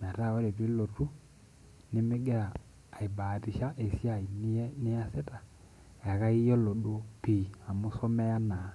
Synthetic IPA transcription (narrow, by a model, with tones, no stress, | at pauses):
m˨a˨ta˦˨wɔ˦ɾe˨twe˦lo˨tu˦ | nɪ˦me˦ɡɛ˦aː˨ | i˨ba˨ti˨ʃa˦ʔe˨sja˦˨i˨n˦nɪ˦a˦sɛ˦ta˨ | ja˨ka˦i˦jɔ˦lo˨ɗo˨˦pi˨a˨mo˦sɔ˦mɛ˦ja˦na˨